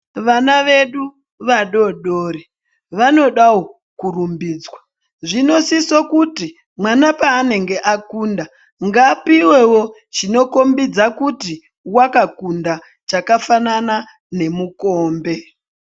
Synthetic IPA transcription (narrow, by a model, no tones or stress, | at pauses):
ʋanaʋe̞ɗu | ʋaɗo̞ɗoːɾi | ʋano̞ɗawo̞ | kurumbiːd͡zwa | ʐino̞sisokuti | mwanapaːne̞ŋɡe̞ʔakunda | ŋɡapiwe̞wo̞ | t͡ʃino̞ko̞mbid͡zakuti | wakakunda | t͡ʃakafanana | ne̞muko̞ːmbe̞